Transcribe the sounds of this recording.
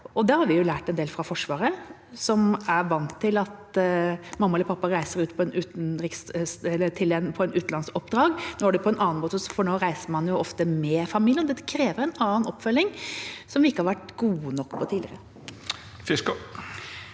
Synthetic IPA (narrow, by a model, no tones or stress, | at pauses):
ʔɔd̪ɛhɑɾʋɪjʊlæːʈɛnd̪eːlfɾɑfɔʂʋɑːɾə | sɔmæɾʋɑnt̪ʰːɪlɑt̪ | mɑmːɑɛləpʰɑpːɑɾæɪsəɾʉːt̪pʰɔɛnʉːt̪nɾɪkssɛlːəʈ̪ʰɪlɛnpʰɔɛnʉːt̪n̩ɑnsɔpd̪ɾɑːɡnoːæɖɛpʰɔɛnʔɑːnmoːt̪əsfɔɳoːɾæɪsəmɑnjʊʔɔft̪əmɛfɑmiljənɔd̪ɛt̪ːəkʰɾeːʋəɾɛnɑːnɔpːfœlːɪŋsɔmʋɪɪkːəhɑɾʋæʈɡuːənɔkːpʰɔt̪ʰiːɪəɾə | fɪskʊ